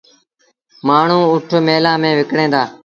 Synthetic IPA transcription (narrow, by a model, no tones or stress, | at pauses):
maːɳ̤ũːʊʈʰmeːlãːmẽːʋɪkɽẽːd̪aː